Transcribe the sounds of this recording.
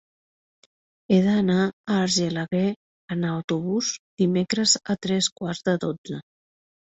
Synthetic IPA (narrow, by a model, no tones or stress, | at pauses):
eðənaəːɾʒelaɣe | ənawt̪uβuzd̪imekɾəzət̪ɾɛskwaɾzðəðozə